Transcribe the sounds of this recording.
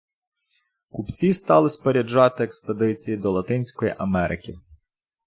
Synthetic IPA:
kupt͡sʲist̪ɑlˠɪspeɾʲed͡ʒɑt̪ɪeksped̪ɪt͡sʲijid̪ɔlˠɐt̪ɪnʲsʲkɔjḭʔɐmɛɾʔɪ̰kʲɪ

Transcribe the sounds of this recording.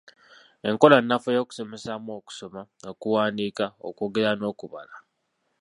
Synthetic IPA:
e̞ŋko̞lanːafojo̞ːku̥so̞me̞samoːku̥so̞manokuwaːndiːkao̰ko̞ːɡe̞ɾano̞ːkuβa̰la

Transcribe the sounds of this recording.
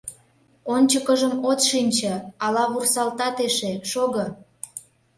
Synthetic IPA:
onʲt͡ɕəkəʒəmot̪ʃinʲt͡ɕə̆ɑlɑβursɑlt̪ɑt̪eʃeʃoɣə̆

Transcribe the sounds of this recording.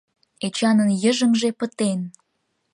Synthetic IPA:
et͡ɕɑnənjəʒə̆mʒepət̪en

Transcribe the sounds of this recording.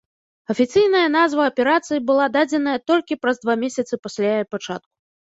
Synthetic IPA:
ɐfʲit̪sɨjnɐjɐn̪azvɐːpʲɛɾat̪sɨjibɨlˠad̪ad͡zʲɛn̪ɐjɐt̪ɔlʲkʲipɾɐzd̪vamʲesʲɐt̪sɨpasʲlʲajpat͡ʂa̰t̪̚ku̥

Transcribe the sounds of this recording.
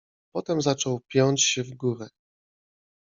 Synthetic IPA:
pɔt̪ɛmzat͡ʂɔwpʲjɔɲt͡ɕɕɛvɡuɾɛ

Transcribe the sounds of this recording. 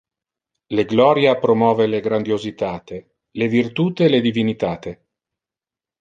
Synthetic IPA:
leɡlɔːɾjapɾomɔːveleɡɾand̪jozit̪aːt̪e | levirt̪uːt̪eːled̪ivinit̪aːt̪e

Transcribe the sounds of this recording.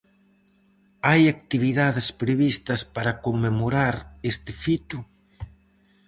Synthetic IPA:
ajak̚t̪iβ̞iðaðespɾeβist̪ɐspaɾɐkomːemoɾaɾest̪ɪfit̪u

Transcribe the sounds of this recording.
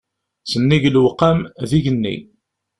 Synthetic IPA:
sənːiʝlwqːamðiʝənːḭ

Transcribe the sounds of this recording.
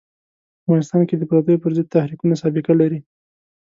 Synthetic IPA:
avɣɑnɪst̪ɑnked̪əpɾat̪əjopəɾzəd̪̚t̪ahɾikunasɑbɪkalaɾi

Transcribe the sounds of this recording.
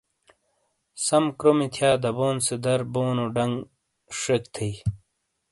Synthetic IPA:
sɐmkɾomit̪ʰjaːd̪ɐboːnsed̪ɐɾboːnoɖɐŋɡ | ʂekt̪ʰij

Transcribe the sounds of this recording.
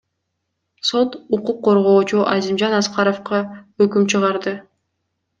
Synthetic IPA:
sot̪uquqːo̞ɾʁo̞ːt͡ʃuʔɑzimd͡ʒɑnɑsqɑɾofqɑøkymt͡ʃʰɯʁɑɾd̪ɯ

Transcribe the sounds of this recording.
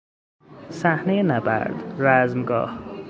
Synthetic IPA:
sæhnejenabæ̰ɾd̪ɾæzmɡɒ̰ːh

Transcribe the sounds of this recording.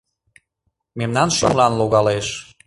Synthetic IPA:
memnɑnʃə̰mlɑnluɣɑleʃ

